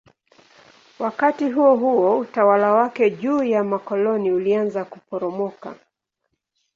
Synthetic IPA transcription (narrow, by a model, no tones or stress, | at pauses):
wakatiɦuɔɦuɔutawalawakɛʄuːjamakɔlɔniulianzakupɔɾɔmɔka̰